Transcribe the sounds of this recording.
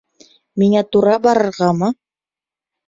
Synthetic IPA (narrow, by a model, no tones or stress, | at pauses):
miŋæt̪uɾɑbɑɾɤ̆ɾʁɑmɤ